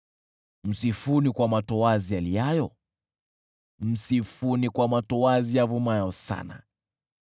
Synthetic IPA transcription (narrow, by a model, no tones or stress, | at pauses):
m̩sifunikwamatɔazialijajɔ | m̩sifunikwamatɔwazijavumajɔsa̰na̰